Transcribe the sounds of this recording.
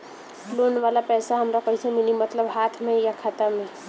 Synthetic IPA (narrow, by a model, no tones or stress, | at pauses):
loːnʋaːlapɛːsaɦɐmɾakoːisemɪnimɐt̪ləbɦaːt̪ʰmẽjakʰat̪amẽ